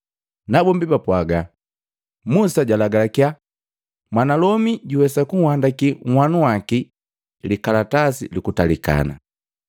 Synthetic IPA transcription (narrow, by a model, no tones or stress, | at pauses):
nabɔmbibapwaɡa | musaɟwalaɡalakia | mwanalɔmiɟuwɛsakuŋhwandakiŋ̩hwanuwaki | likalatasḭlikutalika̰na̰